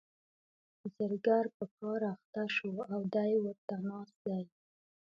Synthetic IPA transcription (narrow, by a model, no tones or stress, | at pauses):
zəɾɡaɾpəkɑɾaxt̪aʃoawd̪ajewəɾt̪anɑsd̪aj